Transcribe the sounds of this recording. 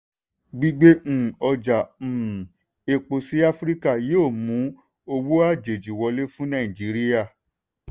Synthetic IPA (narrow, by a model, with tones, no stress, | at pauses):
ɡ͡bi˦ɡ͡bẽ˦˨ɔ˧d͡ʒa˨m̩̃ː˨ | e˧k͡po˧si˦a˦fɾi˦ka˦˨joː˦˨mũ˨˦ | o˧wo˦a˦˨d͡ʒe˨d͡ʒi˨wɔ˧le˦fũ˦nã˦˨ĩ˨d͡ʒi˨˦ɾi˦ja˦˨